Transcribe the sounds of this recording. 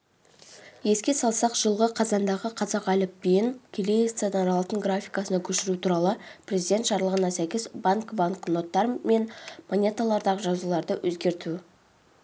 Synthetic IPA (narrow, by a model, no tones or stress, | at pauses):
je̞skʲe̞sɑlˠsɑqʒ̥əlˠʁəqʰɑzɑnd̪ɑʁəqʰɑzɑqælɪpbeŋkʲʰelest̪senɑɾɑlˠɑt̪əŋɡɾafʲijkasənɑkʲʰɵʃɪɾut̪ʰuɾɑlˠəpʰrʲe̞zijd̪ʲe̞nt̪ʒɑɾlˠəʁənɑsækʲɪzbaŋkbaŋkno̞t̪ːɑɾme̞nmonʲe̞t̪alˠɑɾd̪ɑʁəʒɑzulˠɑɾd̪əwʔɵzɡʲe̞ɾt̪u